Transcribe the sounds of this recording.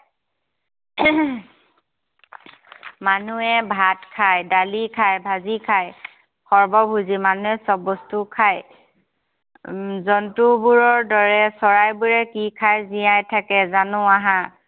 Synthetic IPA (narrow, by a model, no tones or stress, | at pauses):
manuɛbʱatkʰajdalikʰajbʱazikʰaj | xɔɹbɔbʱuzimanuɛsɔbɔstukʰaj | zɔntubuɹɔɹdɔɹɛsɔɹajbuɹɛkikʰajzijajtʰakɛzanʊ̃aɦã